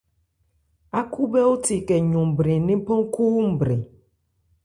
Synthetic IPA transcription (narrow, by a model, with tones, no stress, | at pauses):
a˦ku˦bɛ˦wo˦ti˨kɛ˨ɲõ˨bɾe˨nẽ˦pɔ̃˦ŋ˦ku˦m̩˦˨bɾe˨